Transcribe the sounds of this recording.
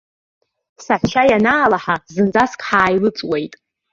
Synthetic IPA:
saħʃʰajanaːlaħazɨnd͡zaskʼħaːjlɨt͡sʼwejtʼ

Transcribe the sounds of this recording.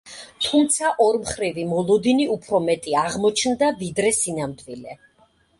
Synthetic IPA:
t̪ʰumt̪sʰaʔɔɾmχɾivimɔlˠɔd̪iniupʰɾɔmɛt̪ʼiaʁmɔt͡ʃʰnd̪avid̪ɾɛsinamd̪vilɛ

